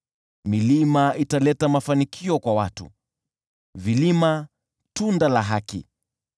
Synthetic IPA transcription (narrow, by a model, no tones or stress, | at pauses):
milimaʔitalɛtamafanikʰiɔkwawatṵ | vilima | tundalaɦakḭ